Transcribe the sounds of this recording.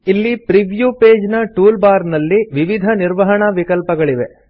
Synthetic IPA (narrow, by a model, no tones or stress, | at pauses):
ilːipɾiʋjupeːd͡ʒnɐʈuːlbaːɾnɐlːiʋiʋid̪ʱɐniɾʋɐɦɐɳɐʋikɐlpɐɡɐɭiʋe